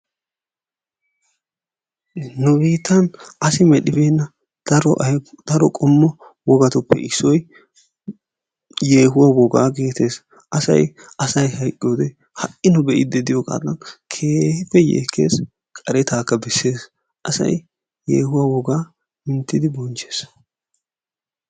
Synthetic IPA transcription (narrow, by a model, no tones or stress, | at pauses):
nʊbiːt̪ːɐnɐsɪmɛɗɪbeːnːɐ | d̪̥ɐɾɔʔɐjd̪̥ɐɾɔkʼɔmːɔ | wɔɡɐt̪ʊpːɛ̰ʔɪsːɔj | jeːɦʊwawɔɡa̰ːɡe̞ːt̪e̞ːs | ʔɐsɐ̰j | ɐsɐjhɐjkʼːɪjoːd̪ɛ | hɐʔɪnʊbɛʔɪd̪ɛd̪ɪjɔkʼa̰ːlːɐnkʰe̞ːhɪfɛjḛːkʰːe̞̰ːs | kʼɐɾɛt̪aːkːɐbɛsːe̞ːs | ʔɐsɐ̰j | jḛːhʊwawɔɡaː | mɪnt̪ːɪd̪ɪbɔnt͡ʃe̞ːs